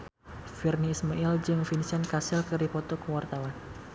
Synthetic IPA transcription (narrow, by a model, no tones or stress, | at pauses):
firniːsmaild͡ʒɨŋfinisankasɪlkədipɔt̪ɔkəwart̪awan